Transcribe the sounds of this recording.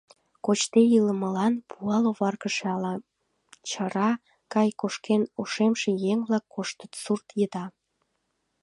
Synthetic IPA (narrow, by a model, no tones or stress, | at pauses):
kot͡ɕt̪ejiləməlɑnpʰuɑloβɑrkəʃeɑlɑ | t͡ɕəɾɑ | kɑjkoʃkenoʃemʃejeŋβlɑkːoʃt̪ə̥t̪surt̪jəd̪ɑ